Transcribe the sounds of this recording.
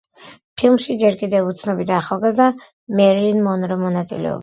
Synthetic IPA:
pʰilˠmʃid͡ʒɛɾkʼid̪ɛvut̪sʰnɔbid̪aːχalˠɡazd̪a | mɛɾlinmɔnɾɔmɔnat̪sʼḭlɛ̰ɔ̰ba

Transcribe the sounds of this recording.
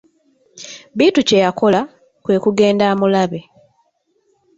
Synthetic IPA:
βiːtuce̞jako̞la | kwe̞ːkuɡe̞ːndaːmulaβe̞

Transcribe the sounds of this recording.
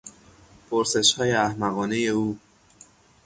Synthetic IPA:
pʰoɾse̞ʃhɒːjeæhmæɣɒːnejeuː

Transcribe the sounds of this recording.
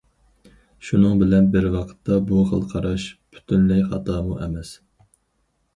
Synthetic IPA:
ʃunɨŋbɪlɛnbɪɾwɑqʰə̥t̪ʰːɑbuqə̰lˠqʰɑɾɑʃpʰy̥t̪ʰynlɛjχɑ̰t̪ʰɑːmuʔɛmɛs

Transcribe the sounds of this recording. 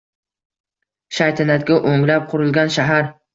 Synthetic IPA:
ʃajt̪ʰɪnat̪̚ɡʲaʔoŋlap̚qʰʊɾɪlɡʲanʃaɦaɾ

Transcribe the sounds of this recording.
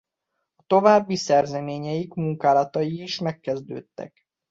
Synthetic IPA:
ɒt̪o̞vaːbːisɛrzɛmeːɲɛjikmuŋkaːlɒt̪ɒjiːʃmɛkːɛzd̪ø̰ːt̪ːɛ̰k

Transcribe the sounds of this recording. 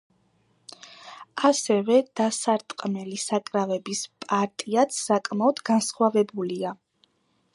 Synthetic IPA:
asɛvɛd̪̥asaɾt̪ʼqʼmɛlisakʼɾavɛbispʼaɾt̪ʼiat̪sʰːakʼmaɔd̪ɡansχwavɛbulia

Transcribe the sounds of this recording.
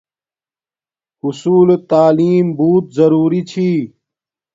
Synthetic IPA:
usuːlt̪aːliːmbuːt̪̚zɐɾuːɾit͡ɕʰiː

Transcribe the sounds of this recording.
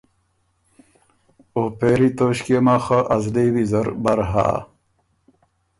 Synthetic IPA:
oːpeɾit̪oːɕkemaxaʔɐzliwizɐɾbɐɾɦa̰ː

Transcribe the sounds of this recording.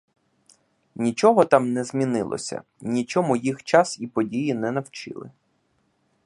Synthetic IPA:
nʲit͡ʃɔɦɔt̪ɑmnɛzmʲinɪlˠɔ̰sʲɐ̰ | nʲit͡ʃɔmʊjixt͡ʃɑsipɔdʲijinɛnɐwt͡ʃɪ̰lˠɪ̰

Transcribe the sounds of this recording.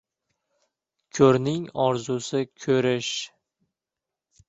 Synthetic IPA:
kʲʰɵɾnɪŋɒɾzʊsɪkʲʰɵɾɪʃ

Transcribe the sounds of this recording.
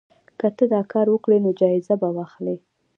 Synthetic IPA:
kət̪əd̪ɑkɑɾwəkɽenod͡ʒɑɪzabawɑxli

